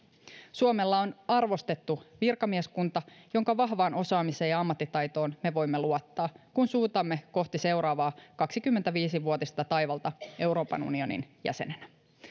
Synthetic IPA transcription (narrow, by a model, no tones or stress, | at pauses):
suomelːɑonɑrʋo̞st̪e̞t̪ːuʋirkɑmieskunt̪ɑjo̞ŋkɑʋɑɦʋɑːno̞sɑːmiseːjɑɑmːɑt̪ːit̪ɑjt̪o̞ːnme̞ʋo̞jmːeluot̪ːɑːkunsuːt̪ɑmːe̞ko̞ht̪ise̞wɾɑːʋɑːkɑksikymːent̪æʋiːsiʋuot̪ist̪ɑt̪ɑjʋɑlt̪ɑʔe̞wɾo̞ːpɑ̰nṵnio̞nḭnjæ̰se̞̰nenæ